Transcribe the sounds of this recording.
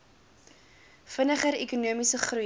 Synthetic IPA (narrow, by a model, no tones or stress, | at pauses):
fənəχəɾɛkunuəmisəχru